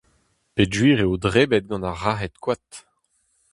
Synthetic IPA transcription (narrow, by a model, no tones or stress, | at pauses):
pedʒwiːʁeodʁeːbɛt̪̚ɡɑ̃naʁaɦɛt̪kwat̪